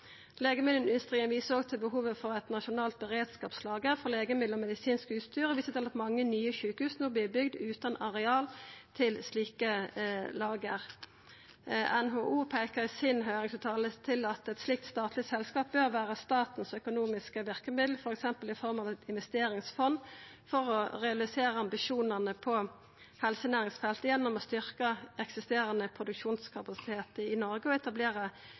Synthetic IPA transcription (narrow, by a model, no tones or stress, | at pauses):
leːɡəmɪd̪lən̩ʏst̪ʁiːənʋiːsəʁɔɡt̪ʰɪlbəɦuːʋəfɔʁɛt̪nɑʃʊnɑːlt̪̚bəʁeːd̪skɑːpslɑːɡəʁfɔleːɡəmɪd̪l̩ɔmɛd̪ɪsiːnskʉːt̪st̪yːʁɔʋɪsət̪ʰɑlɑt̪mɑŋːənyːəçʉːkəhʉːsnoːblɪːbʏɡd̪ʉːt̪ɑnɑʁɛɑːlt̪ʰɪlsliːkəlɑːɡəʁ | ɛ̰nɦoːʔuːpʰæɪkəʁsɪnɦœʏʁɪŋsʉt̪ʰɑːlət̪ʰɪlɑt̪ɛt̪slɪk̚t̪st̪ɑːt̪ʰlɪsɛlskɑːp̚bøːʁʋæːʁəst̪ɑːt̪n̩sœkʊnuːmɪskəʋɪʁkəmɪd̪l̩fɔʁɛksɛmpəlɪfɔʁmɑʋ̪ɪnʋɛst̪eːɾɪŋsfɔn | fɔʁɔʁɛɑlɪseːʁəɑmbɪʃuːnəʁnəpʰɔ | hɛlsənæːʁɪŋsfɛlt̪əjɛnːɔmɔst̪ʏʁkəɛksɪst̪eːɾənəpʰʁʊd̪ʉkʃuːnskʰɑpɑsɪ̥t̪ʰeːt̪əɪnɔʁɡəɔɛt̪ɑbleːʁə